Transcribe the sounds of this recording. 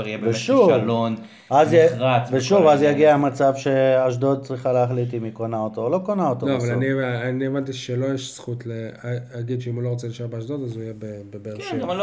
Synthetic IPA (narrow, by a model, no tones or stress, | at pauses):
ijeveʃuvlon | azʁaveʃuvazjaɡiamat͡savʃe̞aʃ̬d̪od̪̚t͡sʁiχaleaχlit̪̬imikonaot̪oːlo̞konaot̪oloavalanieanievant̪iʃelo̞jeʃsχut̪leaaɡid̪ʃeimulo̞ʁot͡seiʃaʁbeaʃd̪od̪azuijebebebeʁʃe